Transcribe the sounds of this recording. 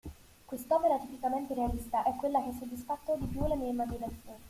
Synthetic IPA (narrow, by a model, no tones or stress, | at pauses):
kwest̪ɔpeɾat̪ipikament̪eɾealist̪aʔɛkːwelːakeɛs̬ːod̪ːisfat̪ːod̪ipjulːemiːeimːad͡ʒinat̪sːjoːni